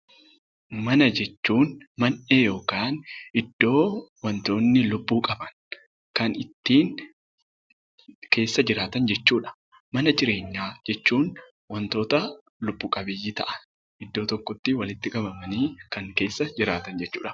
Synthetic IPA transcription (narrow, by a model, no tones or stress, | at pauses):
mɐnɐd͡ʒɛt͡ʃːuːnmɐne̞ːjo̞ːkaːnʔɪd̪̥ːo̞ːwɐnt̪o̞ːnːɪlʊbːuːkʼɐbɐn | kɐnɪt̪ːiːn | ke̞ːsːɐd͡ʒɪɾaːt̪ɐnd͡ʒɛt͡ʃːuːᶑɐ̥ | mɐnɐd͡ʒɪɾe̞ːɲːaːd͡ʒɛt͡ʃːuːn | wɐnt̪o̞ːt̪ɐ | lʊbːuːkʼɐbeːjiːt̪ɐ̰ʔɐ̥n | ʔɪd̪ːo̞ːt̪ɔkːɔt̪ːɪwɐlɪt̪ːɪkʼɐbɐmɐniːkɐŋke̞ːsːɐd͡ʒɪɾaːt̪ɐnd͡ʒɛt͡ʃːuːᶑɐ̥